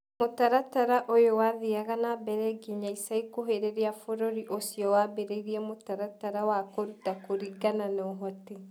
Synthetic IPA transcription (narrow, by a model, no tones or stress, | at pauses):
motaɾataɾaʔojowaðiaɣanabɛɾɛɡiɲaisaikoɦeɾeɾiafoɾoɾiʔosiɔwabeɾeiɾiɛmotaɾataɾawakoɾutakoɾiɡananɔɦɔti